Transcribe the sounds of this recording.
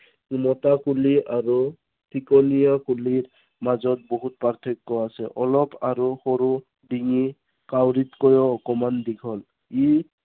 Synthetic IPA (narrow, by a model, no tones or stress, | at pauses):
umɔtakuliaɹu | tʰikɔnijakuliɹ | mazɔt̚bɔɦut̚paɹt̪ʰekːɔasɛʔɔlɔpaɹuxɔɾu | diŋi | kawɹitkɔjɔːkɔmandikʰɔl | i